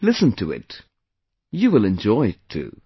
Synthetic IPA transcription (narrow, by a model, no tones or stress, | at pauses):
lɪsə̃ntʰɨɪ̰t | jɨwɪlˠɨ̃nd͡ʒɔɪɨtʰʉ̰